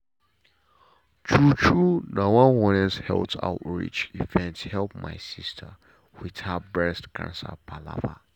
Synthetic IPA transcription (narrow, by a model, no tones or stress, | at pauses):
t͡ʃʰut͡ʃʰunawãwɔnɛshɛ̰ltʰa̰ʊtɹḭt͡ʃivɛ̃nthɛlˠp̚ma̰ɪsistʰə̰ | withabɹɛstkʰã̰nsə̰pʰala̰va̰